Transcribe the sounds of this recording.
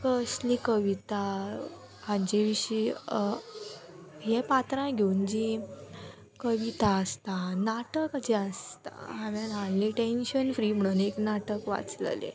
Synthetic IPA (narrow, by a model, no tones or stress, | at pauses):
kəslikəʋit̪a | hãd͡ʑeʋiɕi | ɦepat̪ɾãɡʱeund͡ʑi | kəʋit̪aəst̪anaʈəkad͡ʑeəst̪a̰ɦãʋanɦãnliʈẽnɕənfɾim̤əɽuneknaʈəkʋa̰t͡sl̰lḛ